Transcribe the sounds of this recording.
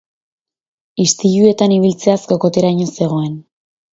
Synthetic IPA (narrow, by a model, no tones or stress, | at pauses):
ist̪iʎue̞t̪aniβ̞ilt͡se̞asko̞ko̞t̪eɾajɲo̞se̞ɣ̞o̞e̞n